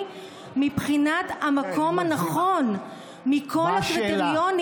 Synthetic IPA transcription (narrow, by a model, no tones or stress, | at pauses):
mipχinat̪hamakʰo̞mhanaχo̞n | mikʰo̞lakʁit̪eʁijon